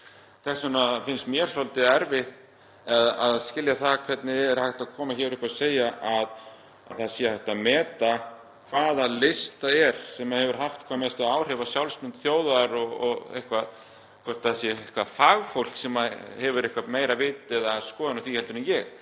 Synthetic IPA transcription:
θɛsːanafɪnst̪mjɛɾ̥sɔlt̪ɪaɛɾvɪð | aðaðscɪljaθakʰvɛt̪nɪɛɾhajht̪aðkʰɔːmaçɛɾʏhpaðseːjaʔað | a̰ðθaðsjɛhajht̪amɛːt̪a | kʰvaːðalɪst̪aɛɾ̥sɛmaðhɛvʏɾ̥ɦaft̪kʰvamɛst̪aðaːwr̥ɛvasjawlsmʏnt̪θjoːwðaɾɔɣɔɣḛhkvað | kʰɔr̥t̪aðsjɛhkvaðfaːɣfowl̥ksɛmahɛvʏɾɪhkvameːjɾavɪːt̪ɛðaskɔːðɪnaθvihɛlt̪ʏɾnɪnjɛɣ

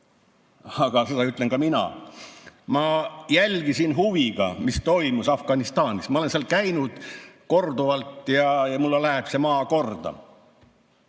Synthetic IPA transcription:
ɑɡ̥ɑsed̪ɑyt̪ˑleŋkɑminɑ̰ | mɑjælʲɡ̥isinɦuviɡ̥ɑ̰mist̪o̞jmusɑfɡ̥ɑnist̪ɑːnismɑole̞nseɑlkæjnud̪̥ko̞rd̪uvɑlt̪ˑjɑjɑmulːelæɦeb̥se̞mɑːko̞rd̪̥ɑ̰

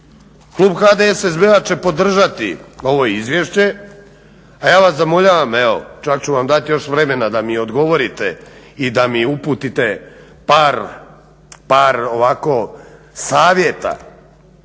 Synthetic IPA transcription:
klˠuːbxad̪eesezbeat͡ʃe̞po̞d̪r̩ʒat̪ḭo̞ʋojeizʋjeʃt͡ɕe̞ | ajaːʋaszamo̞ʎaːʋameʋo̞̰t͡ʃakt͡ɕuʋamd̪at̪jo̞ʃʋɾeme̞nad̪amio̞d̪ɡo̞ʋo̞ɾit̪e̞ | id̪amiupuːt̪it̪e̞ | paːɾ | paːɾoʋako̞ | saːʋje̞t̪a̰

